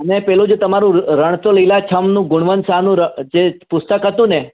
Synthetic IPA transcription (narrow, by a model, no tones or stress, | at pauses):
ənepɛlũd͡ʒot̪əmaɾũɾəɳ̃t̪oləilat͡ʃʰəmnũɡuɳ̃ʋənsanũɾəd͡ʒepust̪əkɦət̪ũne